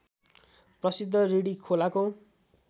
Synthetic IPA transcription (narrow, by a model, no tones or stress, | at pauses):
prʌsid̪ʱːʌɾiɽikʰolako